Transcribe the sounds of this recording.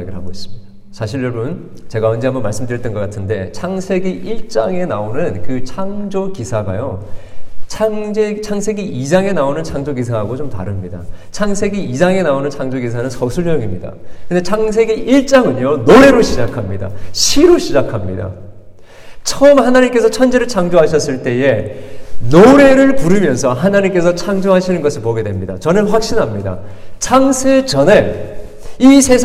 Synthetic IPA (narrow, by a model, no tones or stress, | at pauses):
ɡiɭhaɡois͈ɯ̥mid | sʰaɕʰiɾːʌɭbun | t͡ɕe̞ɡaʌnd͡ʑeambʌnmaɭs͈ɯmdɯɾjit͈ɯnɡʌk͈atʰɯnde̞t͡ɕʰaŋsʰe̞ɡiʔiɭt͡ɕ͈aŋe̞naonɯnkɯt͡ɕʰaŋd͡ʑokisʰaɡa̰jo | t͡ɕʰaŋd͡ʑet͡ɕʰaŋsʰe̞ɡiid͡ʑaŋe̞naonɯnt͡ɕʰaŋd͡ʑoɡis̬ʰaɦaɡot͡ɕomta̰ɾɯmɲidat͡ɕʰaŋsʰe̞ɡiid͡ʑaŋe̞naonɯnt͡ɕʰaŋd͡ʑoɡis̬ʰanɯnsʰʌsʰuɭɲʌɡimɲida̰kɯnde̞t͡ɕʰaŋs̬ʰe̞ɡiʔiɭt͡ɕ͈aŋɯɲonoɾe̞ɾoɕʰid͡ʑakʰamɲida̰ɕʰiɾoɕʰid͡ʑakʰamɲḭda̰ | t͡ɕʰʌʌmhanaɲimk͈e̞sʰʌt͡ɕʰʌnd͡ʑeɾɯɭt͡ɕʰaŋd͡ʑoɦaɕʰʌs͈ɯɭt͈e̞e̞ | noɾe̞ɾɯɭpuɾɯmjʌnsʰʌɦanaɲimk͈e̞s̬ʰʌt͡ɕʰaŋd͡ʑoɦaɕʰinɯnɡʌsʰiɭpoɡe̞dwe̞mɲida̰t͡ɕʌnɯnɸwak̚ɕ͈inɦamɲida̰ | t͡ɕʰaŋsʰet͡ɕʌne | isʰe̞sʰ